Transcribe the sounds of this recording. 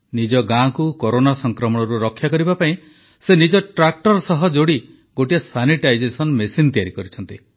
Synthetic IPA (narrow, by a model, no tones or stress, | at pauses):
nid͡ʒɔɡãkukoɾonasɔŋkɾɔmɔɽ̃ɔɾuɾɔkʰːjakɔɾibapaĩ | senid͡ʒɔʈɾak̚ʈɔɾsɔɦɔd͡ʒoɽi | ɡoʈiɔsaniʈajd͡ʒesɔnmesint̪ijaɾikɔɾit͡ʃʰɔnt̪i